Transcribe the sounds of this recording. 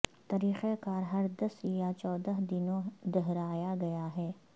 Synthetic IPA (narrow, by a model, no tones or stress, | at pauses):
t̪ɐɾiːxekaːɾɦɐɾd̪ɐsjat͡ʃɔːd̪əɦd̪ɪnõd̪ɛɦɾaːjaɡɐjaɦɛː